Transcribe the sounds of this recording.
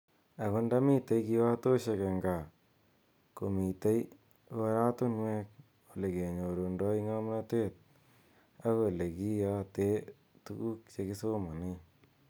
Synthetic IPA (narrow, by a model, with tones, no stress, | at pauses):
a˨kʊ˦nda˦mi˦te˨jki˦wa˦to˦ʃe˨ke˨ŋɡa˨ | ko˨mi˨te˦j | wa˦ɾa˦tu˦nwɛ˦k̚ | o˨le˨ke˨ɲo˨ɾo˨ndɔ˦i˦ŋa˦mna˦te˦t̚ | a˦ke˨le˨ki˦ja˦te˦ | tu˦ku˦k̚t͡ʃe˧ki˦so˦ma˨ni˦